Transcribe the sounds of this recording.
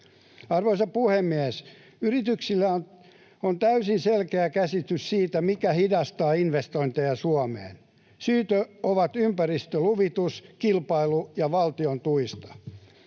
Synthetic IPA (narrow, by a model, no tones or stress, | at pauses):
ɑrʋoisɑpuhemːiæs | yrit̪yksilːæon | ont̪æysinselkeækæsit̪yssiːt̪æmikæhidɑst̪ɑːinʋest̪oint̪ejɑsuɑmḛːn | syːt̪øoʋɑt̪ympærist̪øluʋit̪uskilpɑilujɑʋɑlt̪iont̪uist̪ɑ̥